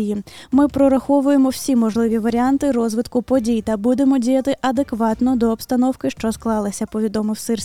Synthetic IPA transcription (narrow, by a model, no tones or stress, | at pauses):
jimɪpɾɔɾɐxɔʋʊjemɔw̥sʲimɔʒlˠɪʋʲiʋɐɾʲiɑnt̪ɪɾɔzʋɪt̪kʊpɔdʲijt̪ɐbud̪e̞mɔdʲijɐt̪ɪʔɐd̪e̞kʋɑt̪nɔd̪ɔːpst̪ɐnɔwkɪʃt͡ʃɔsklˠɑlˠɪsʲɐpɔʋʲid̪ɔmɪwsɪrsʲ